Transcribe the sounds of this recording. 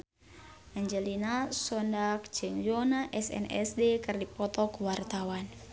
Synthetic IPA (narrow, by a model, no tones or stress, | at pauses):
aɲd͡ʒɛlinasɔndak̚d͡ʒɨŋjonaʔɛsɛ̰nɛ̰sdekɨrdipɔt̪ɔkuwart̪awan